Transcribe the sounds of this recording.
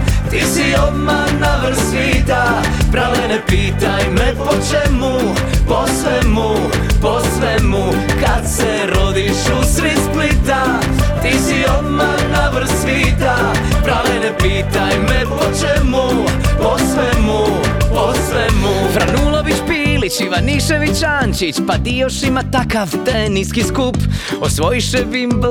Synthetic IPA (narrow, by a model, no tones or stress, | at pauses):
t̪isiɔd̪malnaʋr̩sʋiːt̪a | pɾalɛnɛpiːt̪ajmɛpɔt͡ʃɛmu | pɔsʋɛmu | pɔsʋɛmu | kat̪sɛ | ɾɔd̪iʃusɾisplit̪a | t̪isiɔd̪malnaʋr̩sʋiːt̪a | pɾalɛnɛpiːt̪ajmɛpot͡ʃɛmuposʋɛmuposʋɛmufɾanulˠo̞ʋit͡ʃpiːlit͡ʃiʋaniʃeʋit͡ʃaːnt͡ʃit͡ʃpad̪ijoʃimat̪akaʋt̪eniskiskup | osʋo̞jiʃɛbib